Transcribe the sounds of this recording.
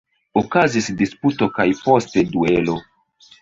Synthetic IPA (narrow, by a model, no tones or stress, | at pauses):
okazisdisputo̞kajpo̞ste̞duelo̞